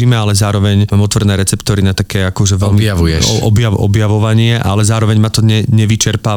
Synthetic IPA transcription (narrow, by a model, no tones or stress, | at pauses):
iːmɛalɛzaːɾɔʋɛɲmaːmɔt̪ʋrdnɛːɾɛt͡sɛpt̪ɔːɾinat̪akɛːakɔʒɛʋɛlmiujɛɔ̰bjaɔ̰bjaʋɔʋaɲɪɛʔalɛzaːɾɔʋɛɲmat̪ɔɲɛɲɛʋit͡ʃɛɾpaː